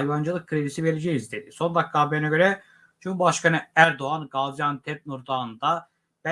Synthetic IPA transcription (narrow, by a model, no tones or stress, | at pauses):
jvand͡ʒɯlˠɯk̚kʰːɾed̪isivelʲed͡ʒɛjizd̪e̞d̪iso̞nd̪akːaːbejnaɟø̞ɾɛ | d͡ʒumbaʃkanɯæɾd̪o̞anɡazjant̪ʰɛp̚nuɾd̪and̪a | b̥æ